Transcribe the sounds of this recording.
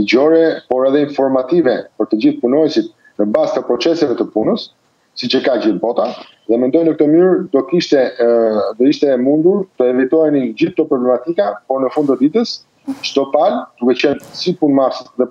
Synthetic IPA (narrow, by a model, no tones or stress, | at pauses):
liɟɔɾɛpɔɾɛðɛinfɔɾmat̪ivɛpəɾt̪əd͡ʑiθpunɔjɛsit̪̚ | nəbazt̪əpɾɔt͡sɛsɛvɛt̪əpunəsː | it͡ʃəkad͡ʑiθbɔt̪a | ðɛmɛnd̪ɔjnəkət̪ɔmyɹd̪ɔkiʃt̪ɛ | d̪ɔiʃt̪ɛmund̪uɾt̪əɛvit̪ɔɛnind͡ʑiθt̪ɔpɾɔblɛmat̪ikapɔɾnəfund̪t̪əd̪it̪əs | ʃt̪ɔt̪ald̪̥ukɛt͡ɕənsipunmaɾsət̪ðɛ